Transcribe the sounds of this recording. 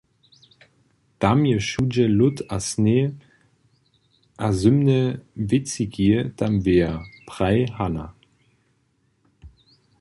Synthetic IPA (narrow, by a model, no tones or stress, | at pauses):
d̥amjəʃud͡ʒəlʊtʰasne | ʔazʏmnəvɪt͡siɡiəd̥amveːɐpʁ̥aɪhana̰